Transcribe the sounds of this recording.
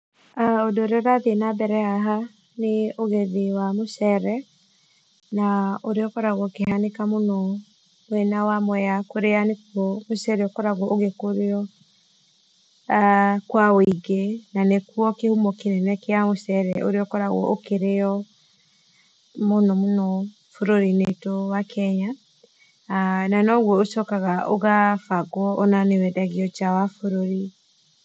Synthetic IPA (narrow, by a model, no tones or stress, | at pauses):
aodoːɾeɔɾaðenabɛɾɛaɦa | neoɣeðewamosɛɾɛ | naoɾeɔkɔɾaɣɔkehanekamonɔ | mwɛnawamwɛjakoɾeanekwɔmosɛɾeɔkɔɾaɣwɔʔoɣekoɾeɔ | akwaoiɣenanekuɔkehumɔkinɛnɛkeamosɛɾɛʔo̰ɾeɔkɔɾaɣwɔ̰ʔokeɾeɔ | monɔmonɔ | foɾoɾinetowakʰɛɲa | nanɔɣwɔoʃɔkaɣaʔoɣafaɡwɔʔɔnanewɛdaɣiɔt͡ʃawafoɾoɾi